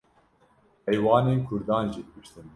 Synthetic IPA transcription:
hɛjwɑːneːnkʰʊɾd̪ɑːnʒiːd̪ɨbɨʃt̪ɨn

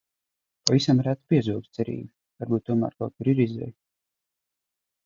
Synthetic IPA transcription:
pavisamɾat̪piɛzuɔɡst̪sɛɾḭːbi | vaɾbuːt̪̚t̪ːuɔma̰ːɾka̰wt̪k̚kuɾiɾizɛ̰j

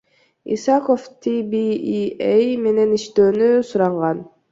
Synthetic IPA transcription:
ḭsɑkoft̪ʰibiiejme̞ne̞niʃt̪øːnysuɾɑɴʁɑn

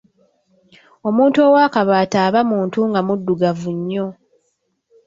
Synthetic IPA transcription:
o̞muːntuo̞ːwaːkaβaːtaːβamuːntuŋɡamudːuɡavuɲːo̞

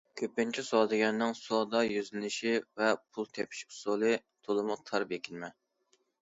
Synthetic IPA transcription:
kʲʰøpːɪnt͡ʃʰisɑːd̪ɪɡʲɛnːɪŋsod̪ɑjyzlɪnɪʃivɛpʰulˠt̪ʰɛpʰɪ̥ʃkʲsolˠɨt̪ʰolˠɨmut̪ʰɑɾbekʲʰinmɛ

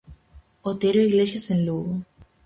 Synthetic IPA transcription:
ot̪eɾoiɣleʃjasẽnluɣo

